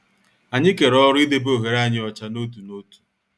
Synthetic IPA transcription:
a˨ɲɪ˦ke˨ɾɔ˦ɾʊ˦i˦de˦bo˦˨ɣe˨ɾa˦˨ɲɪ˦ɔ˨t͡ʃa˦no˦tu˨no˦tu̥˨

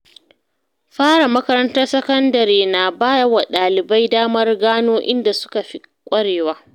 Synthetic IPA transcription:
ɸaː˦ɽa˨mɐ˦kɐ˦ɾɐ˦ntɐ˦rsɐ˦kɐ˦ndɐ˨ɾeː˨naː˨baː˦jɐ˦wa˨ɗaː˨lɪ˨ba˦jdaː˦mɐ˦rɡaː˦noː˦ʔɪ̰˦nda˨sʊ̥˦ka˨ɸi˦ | kʷʼɐ˦ɽeː˨waː˦

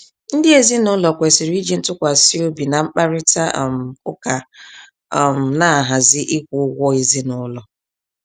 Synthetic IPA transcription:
n̩˦dɪ˦e˨zi˦nʊ˦lɔ˨kʷe˨sɪ˨ɾi˦d͡ʒi˦n̩˦tʊ˦kʷa˨si˦o˦bi˨na˨ŋ͡m̩˦k͡pa˦ɾɪ˦ta˦ʔm̩˨kʊ˦ka˨ | m̩˨na˦˨ɦa˨zɪ˦ʔi˦kʷʊ˨˦ɡʷɔ˦i˦zi˦nʊ˦lɔ˨

